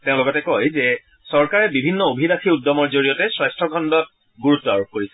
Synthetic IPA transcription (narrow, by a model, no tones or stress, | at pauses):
teʊ̃lʊɡɔtɛkojzɛ | sɔɹkaɹɛbibʱinːɔobʱidaxiudɔmɔɹzoɹijɔtɛsɹajstʰɹɔɡʱɔndɔt̚ | ɡuɹutːɔaɹop̚koɹisɛ